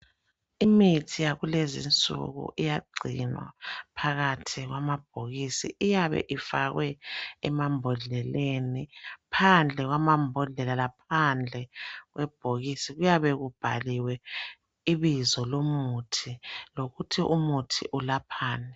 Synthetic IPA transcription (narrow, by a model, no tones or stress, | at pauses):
imitʰijaɣulezḭnt͡sʼṵɣṵʔijaɡ͡ǀʱḭnwa̰pʰaɣatʰiɣwamab̥̚ʱoɣisḭʔijaβɛ̰ʔifaɣwɛɛmambʱɔɮɛlenipʰand͡ɮʱɛɣwamambʱɔɮɛlalapʰand͡ɮʱɛɣwɛb̥ʱoɣisiɣujaβɛɣub̥ʱaliwɛ | iβizɔlomutʰiloɣutʰiʔumutʰiʔulapʰaːnɛ